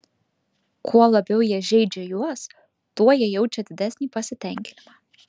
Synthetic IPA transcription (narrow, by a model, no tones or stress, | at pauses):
kʰuɔlˠɐbʲɛʊjiɛʒʲɛɪd͡ʒʲɛjuɔs | t̪uɔjɛjɛʊt͡ʃʲɛd̪ʲɪd̪ʲɛsʲnʲiːpɐsʲɪt̪ʲɛˑŋʲkʲɪnʲɪmɑː